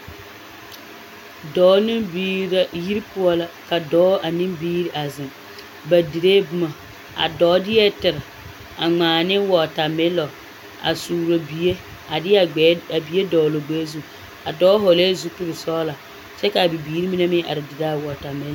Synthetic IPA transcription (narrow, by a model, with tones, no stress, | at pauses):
dɔː˨˦ni˦mbi˦ɾa˦ji˦ɾpʊ˦ɔ˦la˨ka˨dɔː˨˦ʔa˨nĩ˦mbiː˦ɾi˦ʔa˨zɪ˨ŋ | ba˨di˨ɾeː˦bʊ˦ma˨ | a̰˨dɔː˨˦dɪ˦jɛ˦tɪ˨ɾɪ˨ | a˨ŋ͡maː˨nɪ˦wɔ˨ta˨mɪ˦lɔ˨ | a̰˨suː˨ɾo˨bi˨e˦ | a˨dɪ˦a˦˨˦a˨bi˨˦e˦dɔː˨lo˨ɡ͡beː˦zu˦ | a˨dɔː˨˦ɦɔ˨le˦zu˦pɪ˦ɾɪ˨sɔː˦la˨ | t͡ʃɛ˦ka˨bi˨biː˨˦ɾi˦mi˦na˦mɪ˦ʔa̰˨ɾɪ˨di˨ɾa˦˨wɔ˨ta˨mɪ˦l